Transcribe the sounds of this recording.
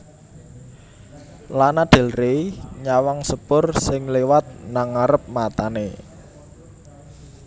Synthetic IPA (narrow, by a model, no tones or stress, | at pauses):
lanad̪̥e̤lreɲawaŋsəpʊrsɪŋlewat̪̚naŋaɾəp̚mat̪anḛ